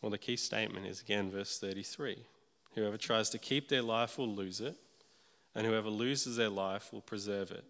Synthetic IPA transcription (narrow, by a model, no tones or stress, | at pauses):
wɛlˠðɨkʰistḛɪt̚mɨ̰̃ntɨ̰zɨɡɛ̃nvɜ˞sθɜ˞ɾiθɹi | hʉɛvə˞tʰɹ̥aɪz̥tʰɨkʰip̚ðə˞laɪfwəlˠʉzɪɾ | ɨ̃nhʉɛvəlʉzɨzðə˞laɪfwə̰lˠpʰɹ̥ɨzɜ˞vɪ̰t̚